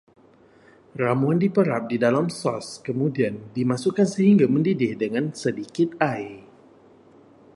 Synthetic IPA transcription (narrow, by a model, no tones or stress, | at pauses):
ramuandipəɾap̚didalamsɔskəmudiandimasukansəɦiŋɡaməndidɪhdəŋansədikɪt̪̚aj